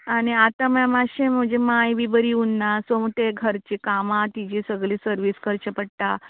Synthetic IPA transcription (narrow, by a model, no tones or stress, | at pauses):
aɽ̃iat̪amjamaɕẽm̤əd͡ʑemajbibəɾiunːasomt̪eɡʱəɾt͡ɕikamãt̪id͡ʑisəɡlisəɾʋiːskəɾt͡ɕəpəɽt̪a